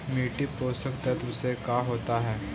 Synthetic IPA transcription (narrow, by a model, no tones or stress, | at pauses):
miːʈipoːsəkt̪ɛt̪ʊsekaːɦoːt̪aɦɛː